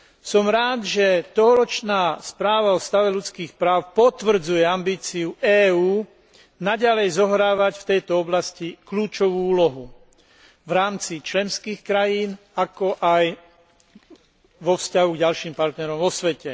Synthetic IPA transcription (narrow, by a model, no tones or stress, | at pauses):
sɔmɾaːd̪ʒɛt̪ɔɦɔɾɔt͡ʃnaːspɾaːʋaɔst̪aʋɛlut͡skiːxpɾaːʊpɔt̪ʋr̩d͡zujɛambiːt͡siuʔɛːuː | naɟalɛjzɔɦɾaːʋacft̪ɛjt̪ɔɔblascikluːt͡ʃɔʋuːuːlɔɦu | vɾaːmt͡sit͡ʃlɛnskiːxkɾajiːn | akɔʔaj | ʋɔfscaɦuɡɟalʃiːmpaɾt̪nɛɾɔmʋɔsʋɛcɛ